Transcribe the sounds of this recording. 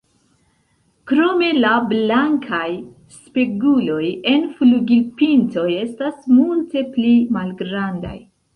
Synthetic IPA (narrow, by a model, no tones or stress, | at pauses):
kɾo̞me̞lablaŋkʰaj | speɡulo̞je̞nfluɡilpinto̞je̞stasmulte̞plimalɡɾanda̰j